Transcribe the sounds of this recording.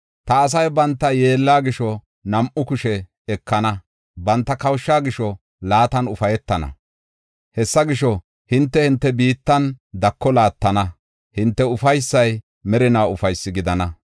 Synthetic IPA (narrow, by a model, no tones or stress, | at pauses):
t̪ɐːs̬ɐjbɐnt̪ːɐje̞ːlːaːɡɪʃɔ | nɐmʔʊkʊʃɛ | ɛkːɐnɐ | bɐnt̪ːɐkɐwʃːaːɡɪʃɔ | laːt̪ɐnʊfɐjɛt̪ːɐnɐ̰ | hɛsːɐɡɪʃɔ | hɪnt̪ːɛhɪnt̪ːɛbiːt̪ːɐnd̪ɐkːɔlaːt̪ːɐnɐ | hɪnt̪ːɛʊfɐjsːɐj | mɛɾɪnaːʊfɐjsːɪɡɪd̪ɐnɐ